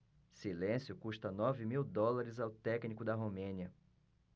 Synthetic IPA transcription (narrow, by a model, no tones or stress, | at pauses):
silẽsjʊkuʃt̪ɐnɔvɪmiwd̪ɔlaɾɪzawt̪ɛknikʊd̪ɐɦomẽniɐ